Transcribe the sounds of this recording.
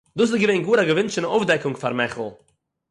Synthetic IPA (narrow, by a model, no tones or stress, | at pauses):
duːs̬ɪtɡəveɪnɡuːɾaɡəvɪntt͡ʃɪnofdɛkʊŋfa̰ɾmɛχl̩ˠ